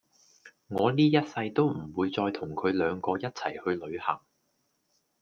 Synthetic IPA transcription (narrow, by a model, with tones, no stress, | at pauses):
ŋɔː˨˧niː˥jɐ˥t̚sɐ˧jt̪o˥wm̩˨˩wuː˨˧jt͡sɔː˧jt̪ʰʊ˨˩ŋkʰɵ˨˧ɥlœː˨˧ŋkɔː˧jɐ˥t̚t͡sʰɐ˨˩jhɵ˧ɥlɵ˨˧ɥhɐ̰˨˩ŋ